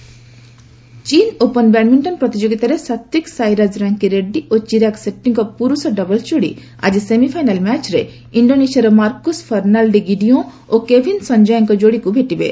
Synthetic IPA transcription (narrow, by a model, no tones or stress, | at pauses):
t͡ʃinopənbɛɽmiɳʈɔnpɾɔt̪id͡ʒoɡit̪aɾesat̪jiksajɾad͡ʒɾaŋkiɾeɖiʔot͡ʃiɾakseʈːiŋkɔpuɾusɔɖɔbɔlt͡ʃoɽḭ | a̰d͡ʒisemipʰajnalmɛt͡ʃɾe | iɳɖonesiaɾɔmaɾkuspʰɔɾnalɖiɡiɖiom | okebʱinsɔɲd͡ʒɔjɔŋkɔd͡ʒoɽikubʱeʈibḛ